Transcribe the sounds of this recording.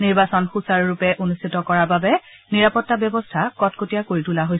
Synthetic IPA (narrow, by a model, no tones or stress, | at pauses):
niɹbasɔnxusaɹɹupɛʔonustʰitɔkɔɹababɛ | niɹapɔtːabjɔbɔstʰakɔtkotijakoɹitulaɦoj